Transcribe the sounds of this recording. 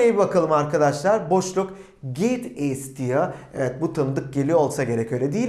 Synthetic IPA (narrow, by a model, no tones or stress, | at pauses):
ejbibakʰalˠɯmaɾkad̪aʃlˠaɾbo̞ʃlˠuk | ɟejt̪ɛst̪ʰijaevɛt̪̚but̪ʰɯnd̪ɯk̚ɟelʲio̞lˠsaɟe̞ɾɛcø̞jlʲɛd̪iji